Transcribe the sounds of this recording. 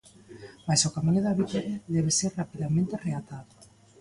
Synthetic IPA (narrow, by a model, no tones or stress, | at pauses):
majsʊkamiɲʊðaβit̪aɾaðɛβ̞eseɾrapiðamẽnt̪ereat̪aðʊ